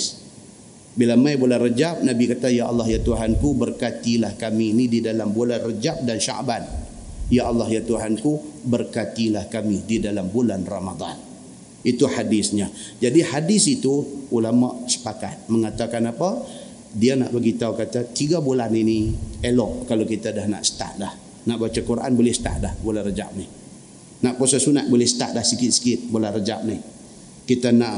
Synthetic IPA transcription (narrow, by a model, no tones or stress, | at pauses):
s | bilamajbolarəd͡ʒap̚nabikat̪ajaʔɑlːɑhjat̪uɦankubərkat̪ilahkamiːnididalambulanrəd͡ʒap̚danʃa̰ʔban | jaʔɑlːɑhjat̪uɦankubərkat̪ilahkamididalambulanramad̪ˤɑ̰n | it̪uhadɪsɲad͡ʒadihadɪsit̪uulama̰ʔsə̥paka̰t̪̚məŋat̪akanapa | diana̰ʔbaɡit̪aukat̪at̪iɡabulaninielɔʔkalowkit̪adahna̰ʔsə̥t̪a̰ʔlah | naʔbat͡ʃakuɾʔa̰nbolɛhsə̥t̪a̰ʔlahbulanrəd͡ʒa̰ʔnɪh | naʔposasuna̰t̪̚bolɛhsə̥t̪a̰ʔ̚lahsəkɪt̪̚sə̥kɪt̪̚bolanrəd͡ʒaʔnɪh | kit̪anaʔ